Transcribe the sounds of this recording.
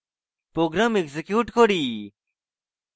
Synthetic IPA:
pɾoːɡɾamekzekjuːʈkoɽiː

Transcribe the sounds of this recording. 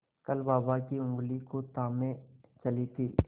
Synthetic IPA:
kəlbaːbakiʊ̃ŋɡlikot̪aːmẽt͡ʃɐlit̪ʰiː

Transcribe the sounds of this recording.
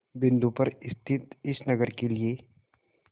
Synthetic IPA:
bɪ̃nd̪upɐɾɪst̪ʰɪt̪ɪsnɐɡəɾkelie

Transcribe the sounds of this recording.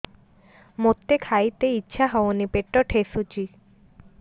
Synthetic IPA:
mot̪ːekʰajt̪eitːɕʰaɦɔonipeʈːɔʈʰesut͡ɕi

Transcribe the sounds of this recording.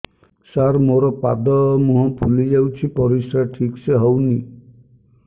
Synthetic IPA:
saɾmoɾɔpa̰d̪ɔmũɦɔ̃pʰulid͡ʒawt͡ʃʰipɔɾisɾaʈʰikseɦɔwni

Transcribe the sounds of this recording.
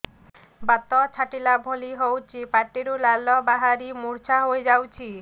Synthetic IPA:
bat̪ɔt͡ʃʰaʈilabʱoliɦowt͡ʃʰipaʈːiɾulalɔbaɦaɾimuɾt͡ʃʰaɦoed͡ʒawt͡ʃʰi

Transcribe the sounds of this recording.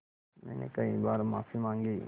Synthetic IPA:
mɛ̰ːnḛkɐĩbaːɾmaːfimãːŋɡiː

